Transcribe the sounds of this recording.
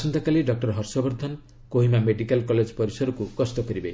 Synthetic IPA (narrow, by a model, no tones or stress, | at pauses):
sʌnt̪ʰɔkaliɖʌk̚ʈʌɾɦʌrsɔbʌɾd̪ʱʌn | koɦimameɖikalkɔled͡zpʌɾisʌɾɔkukʌst̪ɔkʌɾibej